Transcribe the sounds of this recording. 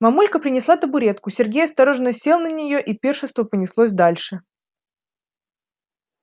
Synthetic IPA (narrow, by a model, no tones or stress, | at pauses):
mɐmulʲkəpɾʲɪnʲɪslˠat̪əbʊɾʲe̞t̪kʊsʲɪrɡʲejɐst̪ɐɾo̞ʐnəsʲelˠnənʲɪjo̞ʔipʲe̞rʂɨnst̪vəpənʲɪslˠosʲd̪alʲʂɨ